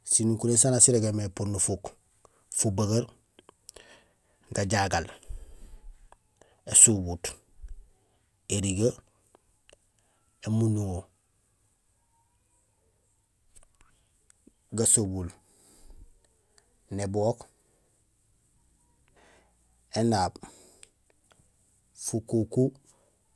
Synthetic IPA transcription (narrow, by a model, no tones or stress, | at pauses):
sinukuɾesanasiɾeɡemepuɾnufuk | fubaɡaɾ | ɡaɟaɡal | esubut | eɾiɡa | emunuŋo | ɡasobul | neboːk | enaːb | fukuku